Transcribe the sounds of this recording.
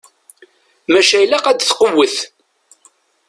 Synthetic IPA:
mæʃæjlæqæd̪θqəwːəθ

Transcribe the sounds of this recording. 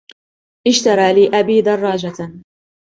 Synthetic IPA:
ʔɪʃt̪ɑɾˤɑːliːʔabiːd̪ɑrˤːɑːd͡ʒa

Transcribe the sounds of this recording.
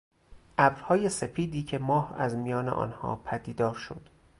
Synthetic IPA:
ʔæbɾhɒːje̞se̞fiːd̪iːcʰe̞mɒːhæ̰zmijɒːneʔɒ̰ːnhɒ̰ːpʰæd̪iːd̪ɒːɾʃo̰d̪̥

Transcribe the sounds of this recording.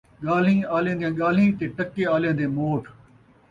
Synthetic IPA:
ɠaːl̤ĩːaːljẽːnd̪ijãːɠaːl̤ĩːt̪eːʈəkːeːaːljãːnd̪eːmoːʈʰ

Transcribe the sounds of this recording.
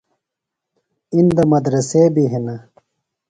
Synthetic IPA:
ind̪ɐmɐd̪ɾɐsebiɦenɐ

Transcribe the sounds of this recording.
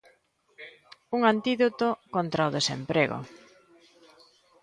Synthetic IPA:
uŋant̪iðot̪okont̪ɾaoðesḛmpɾeɣo̰

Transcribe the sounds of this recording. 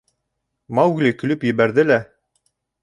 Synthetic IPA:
mɑwɡlʲikɵ̆lɵpjɘ̆βæɾðɘlæ

